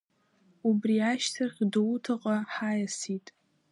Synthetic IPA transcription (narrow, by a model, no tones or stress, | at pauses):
ubriaʃtʰaχʲdowutʰaqʼaħajasitʼ